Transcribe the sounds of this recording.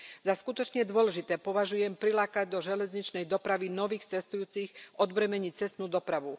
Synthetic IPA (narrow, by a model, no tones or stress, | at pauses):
zaskut̪ɔt͡ʃɲɛd̪ʊɔlɛʒit̪ɛːpɔʋaʒujɛmpɾilaːkaɟ̚d̪ɔʒɛlɛzɲit͡ʃnɛjd̪ɔpɾaʋinɔʋiːxt͡sɛst̪ujuːt͡sixɔd̪bɾɛmɛɲic̚t͡sɛst̪nuːd̪ɔpɾaʋu